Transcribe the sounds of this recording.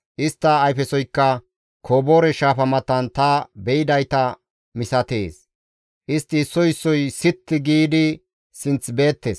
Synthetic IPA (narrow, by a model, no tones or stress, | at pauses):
ʔɪst̪ːɐːjfɛsɔjkːɐ | kʰoːboːɾɛʃaːfɐmɐt̪ːɐnt̪ɐbɛjɪd̪ɐjt̪ɐ | mɪsɐt̪ḛːs | ʔɪst̪ːɪːsːɔjɪsːɔjsɪt̪ːɪɡiːd̪ɪ | sɪnt͡sbe̞ːt̪ːeːs